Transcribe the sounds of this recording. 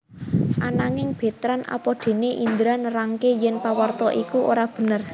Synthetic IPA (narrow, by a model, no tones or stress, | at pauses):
ʔanaŋɪŋb̥e̤t̪ɾanʔa̰pɔd̪̥e̤neʔind̪ɾanːəɾaŋkejɛnpawərt̪ɔʔikuʔo̰ɾab̥ə̤nər